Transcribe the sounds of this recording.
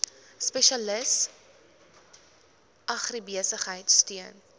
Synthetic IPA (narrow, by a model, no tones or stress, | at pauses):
spɛʃɐləs | ʔɐχrəbiəsəχɦəjtstyən